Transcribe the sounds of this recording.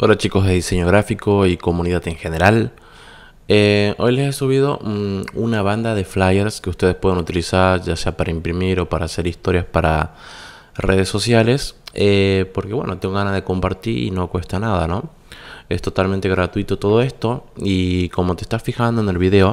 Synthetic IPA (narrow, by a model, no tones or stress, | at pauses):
oɾat͡ʃikozðe̞ðise̞ɲo̞ɣɾafiko̞iko̞muniðat̪eŋxeneɾal | eo̞jlesesuβ̞ið̞o̞ʔunaβ̞and̪aðe̞flajeɾskeust̪e̞ð̞espwe̞ð̞enut̪ilisaɾʝase̞apaɾaimpɾimiɾo̞paɾaːse̞ɾist̪o̞ɾjaspaɾa̰ | rʔe̞ð̞e̞sːo̞sjale̞sepo̞ɾke̞βwḛnʔot̪eŋɡoɣanazðe̞ko̞mpaɾt̪iɾḭno̞kwe̞st̪anaðano̞ | e̞st̪o̞t̪alment̪e̞ɣɾat̪wuit̪ot̪o̞ð̞o̞e̞st̪o̞iko̞mo̞t̪est̪asfixand̪oene̞lβiðe̞o̞